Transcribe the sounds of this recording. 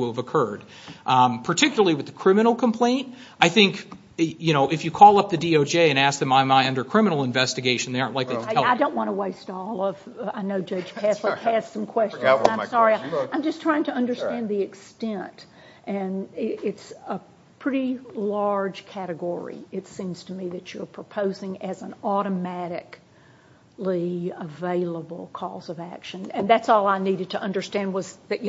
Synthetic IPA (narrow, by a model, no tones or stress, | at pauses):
ɪlˠəvəkʰɜ˞d̥ | pʰə˞tʰɪkjl̩ˠə˞l̩ˠiwɨðɨkʰɹ̥ɪ̃mɨnl̩ˠkʰə̃mpʰl̥ẽɪ̃nt̚ | ʔaɪθɪ̃ŋk | jɨñoʊʔɨfjɨkʰɔlˠʌp̚ðɨdioʊd͡ʒeɪɨ̃ñæsk̚ðɨ̃mãɪ̃maɪʌ̃ndə˞kʰɹ̥ɪ̃mənl̩ˠə̃ɱvɛstɨɡeɪʃn̩ðeɪɑ̃ɹnʔlaɪk̚lðiɾʰɛaɪdõʊ̃nʔwɑ̃ñəweɪstɔlˠʌv̥ʌaɪnoʊd͡ʒʌ̥d͡ʒ̥kʰæsləæstsʌ̃mkʰw̥ɛst͡ʃt͡ʃnãɪmsɑɹiãɪ̃md͡ʒʌstʰɹ̥aɪɪ̃ŋtʰɨʌ̃ndə˞stæ̃nðiɨkstɛ̃nt | ʔɨ̃nɪɪtsə | pʰɹ̥ɪɾilɑɹd̥ʒ̥kʰæɾɨɡɔɹḭɨtsĩmz̥tʰəmiðɨt͡ʃə˞pʰɹ̥əpʰoʊzɪ̃ŋɨz̃n̩ɔɾəmæɾɪ̰k | liəveɪlˠəbl̩ˠkʰɔ̰zʌvækʃɨ̃nɨ̃nðætsɔlˠaɪniɾɨd̚tʰɨʔʌ̃ndə˞stæ̃nd̚wʌzðɨt͡ʃ